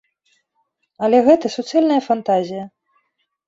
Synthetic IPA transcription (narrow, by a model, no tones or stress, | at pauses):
ɐlʲɛɣɛt̪ɐsut̪sɛlʲnɐjɐfant̪azʲijɐ